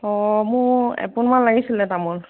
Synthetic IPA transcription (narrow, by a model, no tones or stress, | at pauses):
ɔmʊɛ̰punmanlaɡisilɛtamɔn